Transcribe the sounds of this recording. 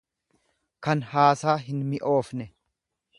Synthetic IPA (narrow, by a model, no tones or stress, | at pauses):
kɐnhaːsaːɦɪnmɪʔo̞ːfnɛ